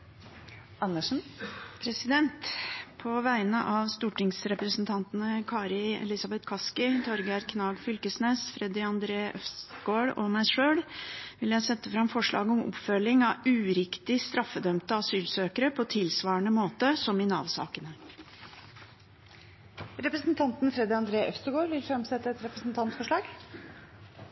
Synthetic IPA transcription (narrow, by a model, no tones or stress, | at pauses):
ɑnːəʂn̩pʰɾɛsɪd̪ɛnt̪pʰɔʋæɪnəʔɑʋst̪uːʈɪŋsɾɛpɾəsnt̪ʰɑnt̪nəkʰɑːɾɪɛ̰lɪsɑbɛt̪kʰɑskɪt̪ʰɔɾɡæɾkʰnɑːɡfʏlkəsneːsfɾɛd̪ɪɑnd̪ɾeːœfsɡoːɽɔ̰mæɪʂøːɽʋɪljæɪsɛt̪ːəfɾɑmfɔʂɭɑ̰ːɡəɔmɔ̰pfœlɪŋɑʉːɾɪkt̪ɪst̪ɾɑfːəd̪œmt̪əɑsyːlsøːkəɾəpʰɔt̪ʰɪlsʋɑːəɳəmoːt̪əsɔmɪnɑːʋsɑ̰ːkənə | ɾɛpɾəsnt̪ʰɑnt̪nfɾɛd̪ɪɑnd̪ɾeːʔœfst̪əɡoːɾʋɪlfɾɑmsɛt̪ːəɛt̪ɾɛpɾəsnt̪ʰɑnt̪fɔʂɭɑːɡ